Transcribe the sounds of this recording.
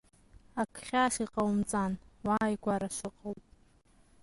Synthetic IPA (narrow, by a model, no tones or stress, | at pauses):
akʰχʲaʃiqʼawmt͡sʼanwaːjɡʷaɾaʃʷɨqʼəwpʼ